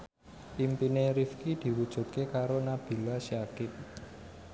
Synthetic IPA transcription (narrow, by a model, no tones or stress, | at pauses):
ʔimpineɾifkid̪̥i̤wud̥ʒ̥ṳt̪̚kekaɾonab̥i̤lasiakɪp̪̚